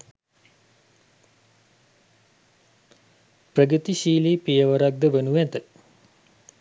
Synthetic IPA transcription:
prəɡət̪iɕiːliːpijəʋəɾaɡ̚d̪əʋenuʋæt̪ə

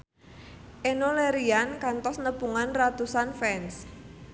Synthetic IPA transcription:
ʔenoleɾiankant̪ɔsnəpuŋanrat̪usanfɛns

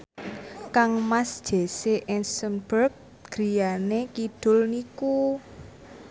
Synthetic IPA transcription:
kaŋmasd̥ʒ̥e̤seʔɛnsənb̥ərk̚ | ɡ̥ɾijanekid̪̥ʊ̤lniku

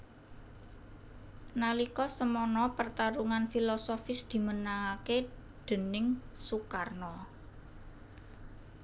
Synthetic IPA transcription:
nalikɔsəmɔnɔpərt̪aɾuŋanfilɔsɔfɪsd̪̥i̤mənaŋake | ɖ̪̥ə̤nɪŋsukarnɔ

